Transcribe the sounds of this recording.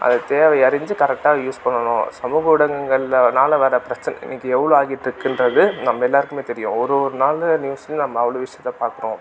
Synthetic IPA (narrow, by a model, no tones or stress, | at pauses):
ʔɐ̰ðɯt̪eːʋɐɪɐɾɪɲd͡ʒɯkɐɾɛk̚ʈːaːɣɐjuːspɐɳːɐnõ̰ːsɐmuːɣɐʋɪɽɐŋɡɐŋɡɐɭɪlnaːlɐʋɛːɾɐpɪɾɐt͡ʃːɐnɛ̰ɪ̰nːɪkːɯɛʋːɐɭõaːɣɪʈːɪɾɯkːɪndɾɐðɯnɐmːɐɛlːaːɾɯkːɯmeːt̪ɛɾɪjʊ̃ɔɾɯɔɾɯnaːlnjuːsnɯnɐmːɐːʋɐɭoːʋɪʂɐjɐt̪ːɐpaːɾkɯɾõː